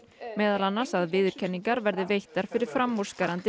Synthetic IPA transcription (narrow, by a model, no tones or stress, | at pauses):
mɛːðalanːasaðvɪːðʏɾ̥cʰɛnːiŋkaɾvɛɾðɪvejht̪aɾ̥fɪɾɪɾ̥fɾamɔɾ̥skaɾant̪ɪ